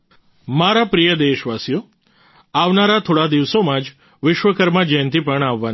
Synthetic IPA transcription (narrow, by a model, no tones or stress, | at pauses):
maɾapɾijəd̪eʃʋasjo | aʋnaɾat̪ʰoɽad̪iʋsomãd͡ʒ | ʋɪʃʋəkəɾmãd͡ʒəjnt̪̬ipəɳaʋːan